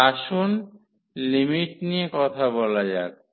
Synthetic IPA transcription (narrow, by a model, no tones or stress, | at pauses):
aʃun | limiʈniekɔt̪ʰaβɔlad͡ʑa̰k̚